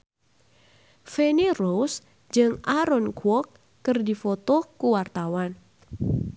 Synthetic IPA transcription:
fenirows | d͡ʒɨŋaɾɔnkwɔkː | ərdifot̪ɔkuwart̪awan

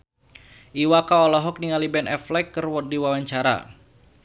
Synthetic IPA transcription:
ʔiwakaɔlɔɦɔk̚niŋalibɛnʔɛflɛkːɨrwɔdiwawaɲt͡ʃaɾa̰

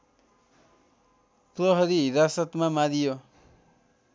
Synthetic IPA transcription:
pɾɔɦɔɾiɾasət̪mãmãɾijo

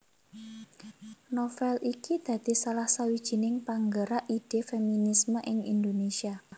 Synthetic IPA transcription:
nɔfɛlikid̪̥ä̤d̪̥i̤salahsawid̥ʒ̥i̤nɪŋpaŋɡəɾaʔid̥efeminisməʔɪŋḭnd̪onesia

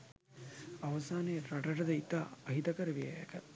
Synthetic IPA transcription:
ɐʋɐsaːneːɾɐʈɐʈɐd̪ɐit̪ːaːɐɦit̪ɐkɐɾɐʋijɐjɐ̰kɐt

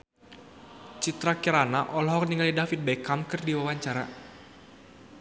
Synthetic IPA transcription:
t͡ʃit̪ɾakiɾanaʔɔlɦɔkniŋalidafit̪̚bɛkamkɨrdiwawaɲt͡ʃaɾa̰

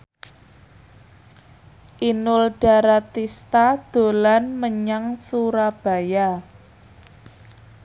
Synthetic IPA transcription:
ʔinʊlɖ̥a̤ɾat̪ist̪ad̪̥o̤lanməɲaŋsuɾab̥a̤ja

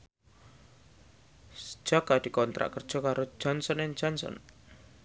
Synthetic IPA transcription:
sə̥d͡ʒ̥akad̥̪i̤kɔnt̪ɾa̰ʔkərd̥ʒ̥ɔ̤kaɾo̥ʒ̥ɔnsɔnɪŋd͡ʒ̥ɔnsɔ̰n

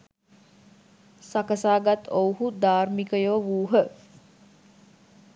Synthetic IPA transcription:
sakəsaːɡat̪owɦud̪aːrmikəjoːʋuːɦə

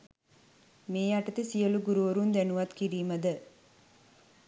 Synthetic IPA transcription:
meːjɐʈːɐt̪ːɨsijɐluɡuɾuʋɐɾund̪enuʋɐt̪kiɾimɐd̪ɐ

